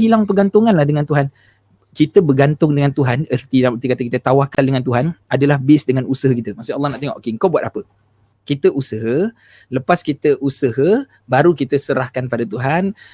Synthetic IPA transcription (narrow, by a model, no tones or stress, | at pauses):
ɦilaŋpəɡant̪ʊŋanlahdəŋant̪uɦan | kit̪əbəɡant̪ʊŋdəŋant̪uɦanərt̪idamərt̪ikat̪əkit̪ət̪awahkaldəŋant̪̬uɦanadalahbɪsdəŋanusəɦəkit̪əmasʊɑlːɑhnaʔt̪eŋɔ̰ʔokeəŋ̩kabuat̪̚apə | kit̪əʔusəɦə | ləpaskit̪əʔusəɦə | baɾukit̪əsəɾahkanpadat̪uɦan